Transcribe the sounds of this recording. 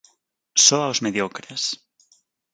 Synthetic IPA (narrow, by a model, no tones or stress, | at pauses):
soawzmeðjokɾes